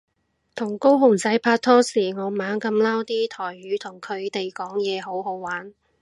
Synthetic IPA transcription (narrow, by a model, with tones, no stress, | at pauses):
t̪ʰʊ˨˩ŋko˥wɦʊ˨˩ŋt͡sɐ˨˥jpʰaː˧t̚t̪ʰɔː˥siː˨˩ŋɔː˨˧maː˨˥ŋkɐ˧mlaː˥wt̪iː˥t̪ʰɔː˨˩jɥyː˨˥t̪ʰʊ˨˩ŋkʰɵ˨˧ɥt̪e˨jkɔː˨˥ŋjɛː˨˧ɦo˨˥wɦo˨˥wwaː˨˥n